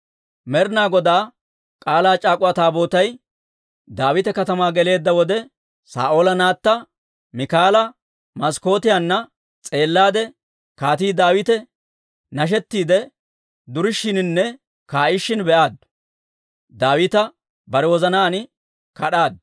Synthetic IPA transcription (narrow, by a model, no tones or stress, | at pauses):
mɛɾnaːɡɔd̪aː | kʼaːlaːt͡ʃʼaːkʼʊɐt̪aːbo̞ːt̪ɐj | d̪aːwɪt̪ɛkɐt̪ɐmaːɡɛle̞ːd̪ːɐwɔd̪ɛ | sa̰ːʔo̞ːlɐnaːt̪ːɐ | mɪkaːlɐ | mɐsko̞ːt̪ɪjanːɐ | t͡sʼe̞ːlːaːd̪ɛ | kaːt̪iːd̪aːwɪt̪ɛ | nɐʃ̬ɛt̪ːiːd̪ɛ | d̪ʊɾɪʃːɪnɪnːɛ | kaːʔɪʃːɪnbɛʔaːd̪̚ | d̪aːwɪt̪ɐ | bɐɾɛwɔzɐnaːnɪ | kɐɗaːd̪̚